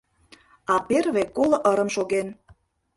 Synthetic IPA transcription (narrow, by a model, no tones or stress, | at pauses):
ɑperβekolə̆ʔəɾə̆mʃoɣen